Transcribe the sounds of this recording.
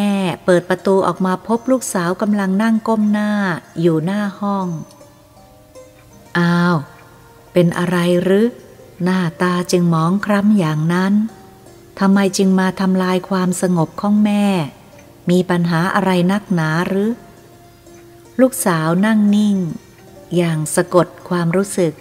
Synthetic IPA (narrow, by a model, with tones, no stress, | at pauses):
mɛː˥˩pɤː˨˩t̪̚pɾa˧t̪uː˧ʔɔ̰ː˨˩k̚maː˧pʰo˦˥p̚luː˥˩k̚saː˩˦wka˧mla˧ŋna˥˩ŋko˥˩mnaː˥˩juː˨˩naː˥˩hɔ˥˩ŋ | ʔaː˧˩w | pe˧nʔa̰˧ɾa˧jɾɯː˦˥naː˥˩t̪aː˧t͡ɕɯ˧ŋmɔː˩˦ŋkʰɾa˦˥mjaː˨˩ŋna˦˥n | t̪ʰa˧mːa˧jt͡ɕɯ˧ŋmaː˧t̪ʰa˧mlaː˧jkʰwaː˧msa˧ŋo˨˩p̚kʰɔ˥˩ŋmɛː˥˩ | miː˧pa˧nɦaː˩˦ʔa˧ɾa˧jna˦˥˩k̚naː˩˦ɾɯː˨˦˥ | luː˥˩k̚saː˩˦wna˥˩ŋni˥˩ŋ | jaː˨˩ŋsa˧ko˨˩t̪̚kʰwaː˧mɾuː˦˥sɯ˨˩k̚